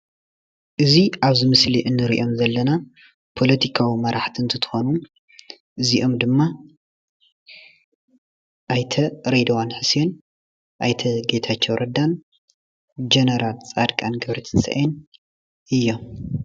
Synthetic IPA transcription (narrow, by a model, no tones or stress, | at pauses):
ʔɨziaβzɨmɨsliʔɨnːɨɾḭʔo̞mzɐlːɐna | pʰo̞lɐt̪ʰikʰawimɐɾaħt̪ʰiɨnt̪ʰɨt̪ʰɨ̥xo̞nu | ʔɨziʔo̞md̪ɨmːa | ʔajt̪ʰɐɾed̪ɐwanħɨsen | ʔajt̪ʰɐɡet̪ʰat͡ʃːowɾʔɐd̪an | d͡ʒenɐɾalt͡sʼad̪kʼanɡɐβɾɐt̪ʰɨnsɐ̰ʔen | ɨjːo̞m